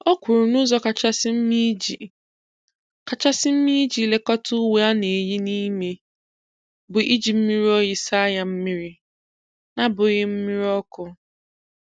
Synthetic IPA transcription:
ɔ˦kʷu˨ɾʊ˨nʊ˦zɔ˦ka˨t͡ʃa˦sɪ˦m̩˦mi˦d͡ʒi˨ | ka˨t͡ʃa˦sɪ˦m̩˦mi˦d͡ʒi˨le˨kɔ˦tʰʊ˦we˦a˦ne˨e˨ji˦ni˦me˦ | bʊ˨ʔi˦d͡ʒi˨m̩˦mi˦ɾi˦ɔ˦ji˨sa˦ja˨m̩˦mi˦ɾɪ˦ | na˨bʊ˨ɣɪ˦m̩˦mi˦ɾi˦ɔ˦kʊ˨

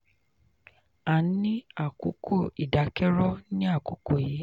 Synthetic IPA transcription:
a˨˦nĩ˦a˦˨ko˨˦kʰo˦˨i˨da˨˦kɛ˦ɾɔ˦nĩ˦a˦˨ko˨˦ko˦˨je˨˦

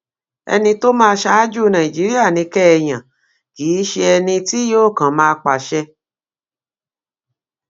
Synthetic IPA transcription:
ɛ̰˧nĩ˧to˦mãː˦˧ʃa˧˦d͡ʒu˦˨˧nã˨i˨d͡ʒi˨˦ɾi˦a˦˨nĩ˧kɛ˦ɛ˧j̃ã˨ | kiː˨˦ʃe˧ɛ˧nĩ˧ti˦joː˦˨kã˨mãː˦˧k͡pa˨ʃɛ˧˦

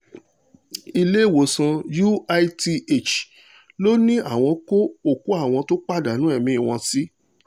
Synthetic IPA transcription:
i˧le˦i˦˨wo˨sã˧ju˦a˧i˦ti˧e˦˨t͡ʃ | lo˦nĩ˦a˦˨w̃ɔ̃˧ko˦o˦˨ku˦a˦˨w̃ɔ̃˧to˦k͡pa˦˨da˨nũ˨˦ɛ˦˨mĩ˧˦i˦˨w̃ɔ̃˧si˦

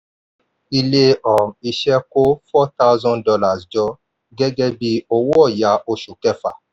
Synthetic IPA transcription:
i˧le˧ɔ˨i˧ʃɛ˦ko˦fɔ˦t̪a˦ʊ˦zɔ̃˦ndɔ˧la˨sd͡ʒɔ˧ | ɡɛ˦ɡɛ˦bi˧o˧wo˦ɔ˦˨ja˨˦ʔo˧ʃu˨kɛ˦fa̰˨

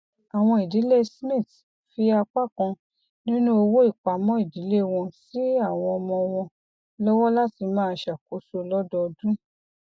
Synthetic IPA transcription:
a˨w̃ɔ̃˧i˨di˨˦le˦smĩ˦˨t | fi˧a˧k͡pa˦˨kã˧ | nĩ˦nũ˦o˧wo˦i˦˨k͡pa˨˦mɔ̃˦i˦˨di˨˦le˦w̃ɔ̃˧si˦a˦˨w̃ɔ̃˧ɔ˧mɔ̃˧w̃ɔ̃˧ | lɔ˦wɔ˦la˦ti˧mãː˦˧ʃa˨ko˨˦so˧lɔ˦dɔ˧dũ˦

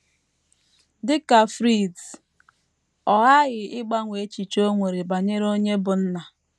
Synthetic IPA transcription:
dɪ˦ka˨fɾi˦˨d | ɔ˨ɣa˦ɣɪ˨ʔɪ˦ɡ͡ba˦ŋʷe˨˦t͡ʃi˨t͡ʃo˦ŋʷe˨ɾe˨ba˨ɲe˦ɾo˦ɲe˦bʊ˨n̩˦na˨

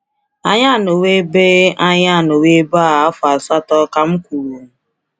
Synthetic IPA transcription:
a̰˦ɲa˦˨no˨we˦be˦a˦ɲa˦˨no˨we˦ba˦˨a˦fʊ˨a˨sa˦tɔ˦ka˦m̩˦kʷu˨ɾu˨

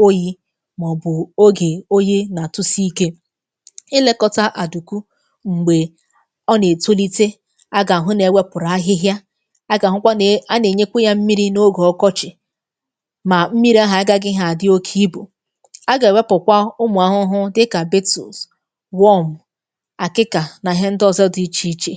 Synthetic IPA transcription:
o˦ji˦ | mɔ˨bʊ˨o˦ɡe˨o˦je˦na˨tʊ˦si˦i˦ke˦ | ɪ˦le˦kɔ˦ta˦ʔa˨du˨ku˦ | ŋ͡m̩˨ɡ͡be˨ | ɔ˦ne˨to˦li˦te˦ | a˦ɡa˨a˨ɦʊ˦ne˨we˦pʊ˨ɾa˨a˦ɦɪ˦ɦja˦ | a˦ɡa˨ɦʊ˦kʷa˦a˦ne˨ɲe˦kʷu˦ja˦m̩˦mi˦ɾi˦no˦ɡɔ˨ɔ˦kɔ˦t͡ʃɪ˨ | ma˨m̩˦mi˦ɾi˦a˦ɦa˨a˦ɡa˦ɡɪ˦ɦa˨dɪ˦o˦kʰi˦bṵ˨ | a˦ɡa˨e˨we˦pʊ˨kʷa˦ʊ˦mʊ˨a˨ɦʊ˦ɦʊ˦dɪ˦ka˨be˦tṵ˨s | wɔ˦m̩˨ | a˨kɪ˦ka˨na˨ɦe˦n̩˦dɔ˦zɛ˦di˨˦t͡ʃi˦t͡ʃe˨

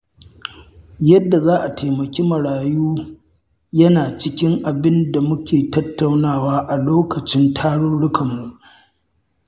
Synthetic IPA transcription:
jɐ˦dːa˨zaː˦ʔa˨tʰeː˨mɐ˨kʲiː˦mɐ˨ɽaː˨juː˦ | jɐ˦naː˨t͡ʃɪ˦kʲɪ˦ŋʔa˨bɪ˦nda˨mʊ˦kʲeː˨tɐ˦tːa˨wnaː˦˨waː˦ʔa˨loː˦kɐ˨t͡ʃɪ˦ntʰaː˦ɽʊ˦ɽʊ˦kʰɐ˨mːu˨ʔ

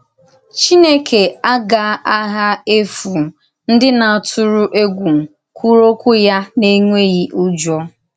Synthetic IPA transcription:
t͡ʃi˦ne˦kʰe˨a˦ɡa˨˦a˦ɦa˦e˦fu˨ | n̩˦dɪ˦na˨a˨tʰʊ˦ɾʊ˦ʔe˦ɡʷu˨m̩˨ | kʰʷu˦ɾo˦kʷʊ˦ja˦ne˦ŋʷe˦ɣi˦ʔu˦d͡ʒɔ˦

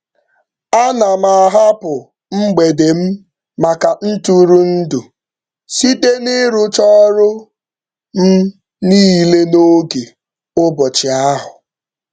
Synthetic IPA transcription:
a˦na˨ma˨ɦa˦pʊ˨ | m̩˦ɡ͡be˨de˨m̩˦ | ma˨ka˨n̩˦tu˦ɾu˦n̩˦du˨ | si˦de˦nɪ˦ɾʊ˦t͡ʃɔ˦ɾʊ˦ | m̩˦ | niː˦˨le˦no˦ɡe˨ | ʊ˦bɔ˨t͡ʃɪ˨a˦ɦʊ˨

